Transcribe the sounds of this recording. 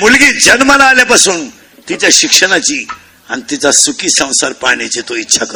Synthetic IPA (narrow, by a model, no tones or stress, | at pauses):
mulɡiːd͡ʑənməlaːljapasuːn | t̪it͡ɕjaɕikʂəɽ̃at͡ɕiː | anit̪it͡sasukiːsə̃w̃saɾpaɳet͡ɕet̪oitːɕʰakə